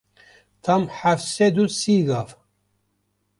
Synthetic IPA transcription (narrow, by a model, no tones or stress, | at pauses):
t̪ʰɐmħafsed̪usiɡaːf